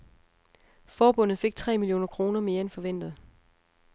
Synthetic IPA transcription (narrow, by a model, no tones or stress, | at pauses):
fɒːb̥ɔ̽n̰ð̩ˠfe̝ɡ̥̚t͡sʰʁɛ̰ːmiljo̝̰ːnɐkʰʁo̝ːnɐme̝ːɐenfɒ̽ʋen̰d̥ð̩ˠ